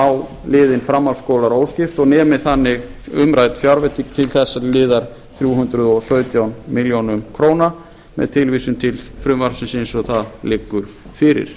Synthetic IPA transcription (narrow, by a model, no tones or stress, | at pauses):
aw | lɪːðɪnfɾamːalskowlaɾoːwscɪft̪ɔɣnɛːmɪθanːɪɣʏmɾaːjt̪fjaɾvɛt̪ʰik̚t̪ʰɪlθɛsːalɪːðaɾ̥ | θɾjuːɦʏnt̪ɾʏðɔsœːɥt̪jawnmɪljownʏmkʰɾoːwna | mɛ̰ðt̪ʰɪlvisʏmt̪ʰɪlfɾʏmvaɾsɪnsɪnsɔɣθaðlɪːkːʏɾ̥ | fɪːɾɪ̰ɾ̥